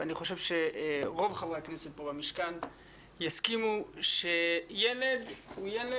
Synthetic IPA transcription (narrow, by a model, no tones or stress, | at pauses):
aniχo̞ʃevʃeʁo̞vχavʁekneset̚bobamiʃkan | jaskimuʃejele̞d̪ujele